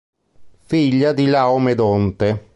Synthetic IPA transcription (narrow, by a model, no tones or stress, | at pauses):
fiʎːad̪ilaomed̪ɔnt̪e